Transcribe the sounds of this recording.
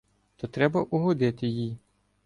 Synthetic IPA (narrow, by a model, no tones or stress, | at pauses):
t̪ɔt̪ɾɛbɐʔuɦɔd̪ɪt̪ɪjij